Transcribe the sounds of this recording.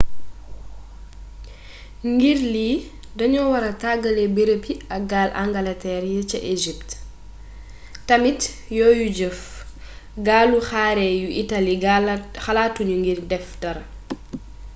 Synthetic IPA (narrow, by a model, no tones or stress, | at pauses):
ŋɡiɾli | dɐɲɔwɐɾɐtaɡɐlɛbiɾəpiɐk̚ɡaːlʔa̰ŋɡɐlɐtɛːɾjət͡ʃɐʔeʒip̚t | tɐmit | jɔːjuɟəf | ɡaːluxaːɾɛːjuʔitalixɐlaːtːuɲuŋɡirdɛfdɐɾ